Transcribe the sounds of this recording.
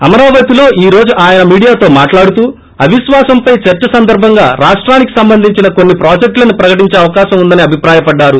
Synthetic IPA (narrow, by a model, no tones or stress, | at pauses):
ɐmɐɾaːʋɐt̪ilo̞ːʔiːɾo̞ːd͡ʒuʔaːjɐnɐmiːɽijaːt̪o̞ːmaːʈlaːɽut̪uː | ɐʋiʃʋaːsɐmpɐjt͡ʃɐɾt͡ʃɐsɐnd̪ɐɾbʱɐŋɡaːɾaːʂʈɾaːniki̥sɐmbɐnd̪ʱiɲt͡ʃinɐkonːipɾaːd͡ʒek̚ʈlɐnupɾɐkɐʈ̬iɲt͡ʃeːɐʋɐkaːʃɐmund̪ɐniɐbʱipɾaːjɐpɐɖːaːɾu